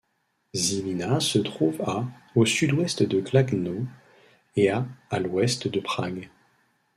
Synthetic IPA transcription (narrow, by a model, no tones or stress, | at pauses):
zilinasət̪χuvaosyd̪wɛst̪d̪əklaɡno | eaːlwɛst̪d̪əpχaɡ